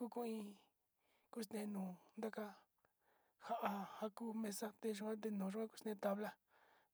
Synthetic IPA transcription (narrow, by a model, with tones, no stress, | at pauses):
ku˦kũ˦ĩ˧ | ku˦st̪ẽ˧nũː˨nd̪a˦ka˦ | ha˦˧ʔa˧ha˧ku˦mẽ˧sa˦t̪e˧ʒ̬u˧ã˦t̪̬e˧nũː˨ʒu˦ã˦ku̥˦st̪ẽ˧t̪a˧βla˦